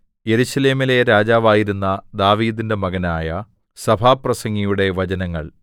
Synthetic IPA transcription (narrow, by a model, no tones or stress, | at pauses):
je̞ɾuɕɐle̞ːmile̞ɾaːd͡ʑaːʋaːjiɾunːɐd̪aːʋiːd̪inde̞mɐɡɐnaːjɐ | sɐbʱaːprɐsɐŋːijuɽe̞ʋɐd͡ʑɐnɐŋːɐ̰ɭ